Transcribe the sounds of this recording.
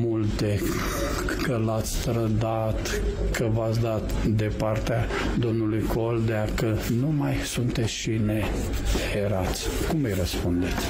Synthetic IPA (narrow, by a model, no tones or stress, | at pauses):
mult̪e | kəlat̪sʲt̪ɾəd̪at̪ | kəvat̪s̬ʲd̪at̪d̪e̞part̪ea | d̪o̞mnulujkʰo̞ld̪eakənumajsunt̪e̞t̪sʲʃine | heɾat̪sʲkuməjrəspund̪et̪sʲ